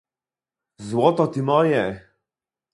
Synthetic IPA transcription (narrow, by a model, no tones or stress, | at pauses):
zwɔt̪ɔt̪imɔjɛ